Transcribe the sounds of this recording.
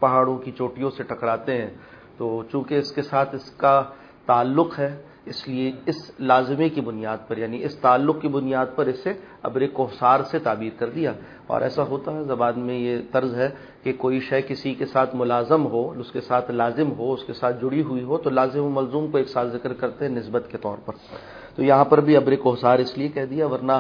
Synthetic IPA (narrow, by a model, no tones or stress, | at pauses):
pɐɦaːɽõkit͡ʃoːʈijõseʈʰɐkɽaːt̪eɦɛ̃ː | t̪oːt͡ʃũːkeɪskesaːt̪ʰɪska | t̪aːlːʊqɦɛː | ɪslieɪslaːzɪmekibʊnijaːd̪̚pɐɾjaːniɪst̪aːlːʊqkibʊnijaːd̪̚pɐɾɪseɐ̰bɾeːkoːsaːɾset̪aːbiːɾkɐɾd̪ijaː | ɔ̰ːɾʔɛ̰ːsaɦoːt̪aɦɛzɐbaːnmẽjet̪ɐɾzɦɛ | kekoːiʃɐjkɪsikesaːt̪ʰmʊlaːzɪmɦoʊskesaːt̪ʰlaːzɪmɦoʊskesaːt̪ʰd͡ʒʊɽiɦʊiɦot̪olaːzɪmomɐlzuːmkoeːksaːt̪ʰzɪkɾkɐɾt̪eɦɛ̃nɪsbət̪ket̪ɔ̰ːɾpɐɾ | tt̪ojɐɦãpɐɾbʱiɐbɾekʊɦsaːɾɪsliekɛɦd̪ijaʋɐɾna